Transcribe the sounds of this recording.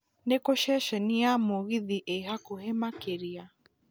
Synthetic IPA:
nekoʃɛʃɛniamoɣiðiʔehakohɛmakeɾia

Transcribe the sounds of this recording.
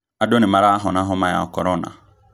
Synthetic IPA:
adonimaɾaɦɔnãɦɔmaja̰okɔɾɔna̰

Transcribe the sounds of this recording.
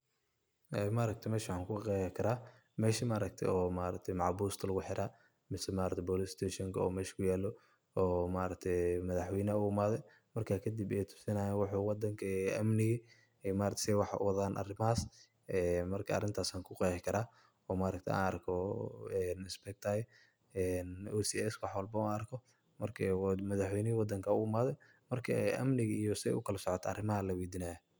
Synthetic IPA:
ʔɛːmaːɾɐk̚t̪ʰɛmɛːʃaːŋkʰʊqɛhɪkʰɐɾaː | mɛːʃɐmaːɾɐk̚t̪ʰɛ̰ɔːmaːɾɐ̰k̚t̪ʰɛjmɑʕbuːst̪ʰɐlɐɣʊħɪɾʔaː | mɪsɛmaːɾɐkt̪ʰbɔːlɪst̪ʰɛːʃɔŋkʰɐɔ̰ːmɛːʃkʰʊjaːlɔ | ɔːmaːɾɐk̚t̪ʰɛjmɐðɑħwɛjnɐʊʊmaːðɛ | mɐrkʰaːkʰɐd̪ibɛjt̪ʰʊ̥sɪnaːjɛːwɑħʊwɑd̪ɐŋkʰɐɐmnɪɣɐ | ɛjmaːɾʰsɛwɑħʊ̰wɑðaːnʔɐ̰rɪmɐaːs | ɛːmɐrkʰɐɐ̰rɪnt̪ʰaːsaːŋkʰʊqɛːħɪkʰɐɾaː | ɔːmaːɾɐkt̪ʰja̰ːnɐrkʰɔɛnɪsbɛk̚t̪ʰaj | ɛnusiɛswɑħwɑlbɐuɐrkʰɔ | mɐrkʰmɐðɑħwɛjnɪwɑd̪ɐŋkʰɐʊʊmaːðɛj | mɐrkʰɐʔɐ̰mnɪɣɐijɔsɪɛ̰ʔʊkʰɐlɐsɔʕɔt̪ʰɐ̰rɪmɐɦɐlɐwid̪inaj

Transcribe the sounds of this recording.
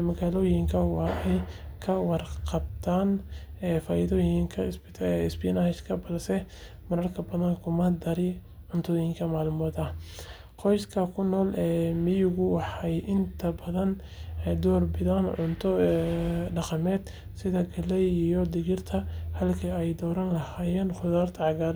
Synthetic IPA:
mɐɣaːlɔːjɪŋkʰɐwɑːɛjkʰɐwɑrqɑb̚t̪ʰaːnɛːfaːjɪðɔjɪŋkʰɐsbɪt̪ʰːɪsbɪnahɛʃkʰɐbɐðsɛ | mɐɾɐrkʰɐbɐðɐnkʰʊmɐd̪ɐɾɪ | ʕʊnt̪ʰɔjɪŋkʰɐmaːlmɔːd̪ɐ | qɔjskʰɐkʰʊnːɔːlɛːmɪjʊɣʊwɑħɑjʔɪnt̪ʰɐbɐðɐn | d̪ɔːrbɪðanʕʊnt̪ʰɔ | ɖɑqɑmɛːd̪ | sɪðɐɡɐlɛjijɔd̪ɪɣɪrt̪ʰɐhɐlkʰɐɛjd̪ɔːɾɐnlɐhaːjɛːnχʊðaːrt̪ʰɐʕɑɣaːɾ

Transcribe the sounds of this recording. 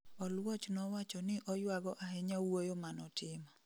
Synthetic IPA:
ɔlwɔt͡ʃnɔwat͡ʃɔnɪʔɔjwaɡɔʔaɦɛɲawojomanɔtʰɪma

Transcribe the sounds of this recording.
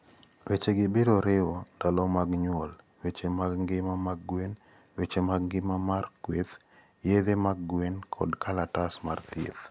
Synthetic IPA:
wet͡ʃeɡɪbedoɾɪwodalɔmaɡɲwɔl | wet͡ʃemaɡŋɡɪmamaɡwen | wet͡ʃemaɡŋɡɪmamarkwet̪ | jeðemaɡɡwenkʰɔ̰dkʰalatasmart̪ḛt̪

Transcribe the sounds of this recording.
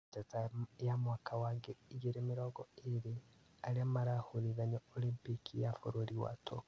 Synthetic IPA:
tatajamwakʰawaːŋɡeiɡeɾemiɾoːɡɔeɾe | aɾiamaɾahuniðaɲoolimpikʰijafo̰ɾoɾiwa̰tʰo̰

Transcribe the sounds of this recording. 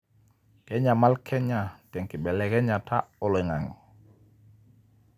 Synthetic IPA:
tɛɲamalkʰɛɲatɛŋkiɓɛlɛkɛɲatʰaʔɔlɔiŋaŋ

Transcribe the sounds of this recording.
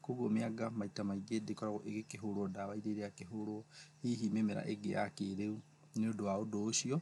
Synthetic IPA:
koɣwomeaɡamaitamaiɡedekɔɾaɣoʔeɡekeɦoɾwɔdaβaiɾeɾeakeɦoɾoɔiɦimemeɾa̰ʔeɡḛʔa̰keɾeu | neodowaodoːʃiɔ

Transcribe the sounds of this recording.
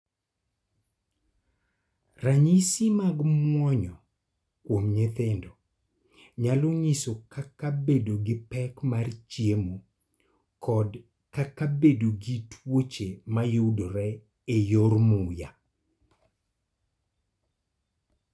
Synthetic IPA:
raɲɪsimaɡmwɔɲɔ | kwomɲet̪endo | ɲaloɲisokakabedoɡɪpɛkmart͡ʃjemo | kʰɔd | kakabedoɡitwot͡ʃemajodoɾɛ | ejormuja

